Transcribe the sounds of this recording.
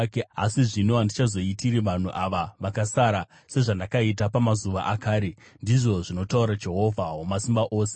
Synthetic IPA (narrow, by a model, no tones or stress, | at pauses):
kea̰siʐino̞ɦandit͡ʃazo̞itiɾiʋan̤uʔaʋaʋakasaɾa | se̞ʐandakait̬apamazuʋaʔakaːɾe̞ | ndiʐo̞ʐino̞tauɾad͡ʒe̞ɦo̞vʱaɦomasimbaʔo̞ːse̥